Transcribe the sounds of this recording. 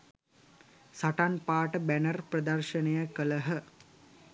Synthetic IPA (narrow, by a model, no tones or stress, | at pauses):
saʈanpaːʈəbænərprɐd̪ɐrʃənəjəkələɦə